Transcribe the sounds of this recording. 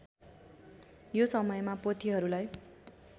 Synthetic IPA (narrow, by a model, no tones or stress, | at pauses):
josʌmʌjmapot̪ʰiɦʌɾulaj